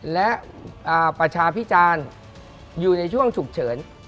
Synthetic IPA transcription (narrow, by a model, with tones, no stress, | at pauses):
lɛ˦˥ʔ | ʔaː˨˩pɾa˧t͡ɕʰaː˧pʰi˦˥t͡ɕaː˧n | juː˨˩na˧jt͡ɕʰu˥˩əŋt͡ɕʰu˨˩k̚t͡ɕʰɤː˩˦n